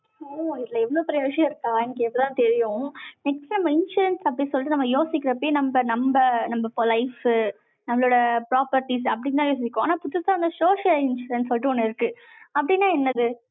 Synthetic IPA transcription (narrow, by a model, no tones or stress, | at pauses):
oːɪðlɐɛʋːɐɭoːpɪɾɐjoːʂɐjɐ̃ɪɾɯkːaːɛnɐkːɯɛpːɐɽɪt̪ãːt̪ɛɾɪjʊ̃nɛksʈnɐmbɐɪnʂuːɾɐnsɐpːɐɽɪnsɔlːɪʈ̪̬ːɯnɐmːɐjoːsɪkːɪɾɐpːejnɐmbɐnɐmbɐnɐmbɐfoɾlɐɪf | nɐmːɐloːɽɐpɾaːpɐɾʈːis̬ɐpːɐɽɪnt̪ãːjoːs̬ɪkːõa̰ːnaːpʊt̪ːɯsaːɐnd̪ɐsoːʂɐlɪnʂuːɾɛnssɔlːɪʈ̪ːɯɔnːɯɪɾɯkːɯ | ɐpːɐɽɪnːaːɛnːɐðɯ